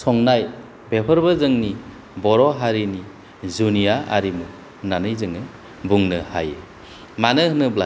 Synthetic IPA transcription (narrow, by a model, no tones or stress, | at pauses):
sɔŋnaj | bepʰəɾbɯzɯŋni | bɔɾɔɦaɾini | zunijaa̰ɾimu | nanɯjzɯŋɯ | buŋnɯhajḛ | manɯɦɯnɯbla